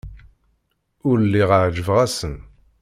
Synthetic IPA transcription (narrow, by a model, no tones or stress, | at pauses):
ʊɾlːiʁəʕd͡ʒəvʁæsən